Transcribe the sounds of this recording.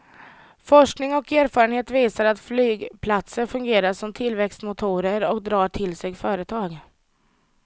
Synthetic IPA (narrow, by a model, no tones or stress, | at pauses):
fɔʂknɪŋɔkeːɾfɑːɾənheːt̪viːsaɾat̪flyːɡpʰlat̪səɾfɵŋɡeːɾaʂɔmt̪ʰɪlvɛkst̪mʊt̪ʰuːɾəɾɔkd̪ɾɑːʈʰɪlsɛɡfœːɾət̪ʰɑːɡ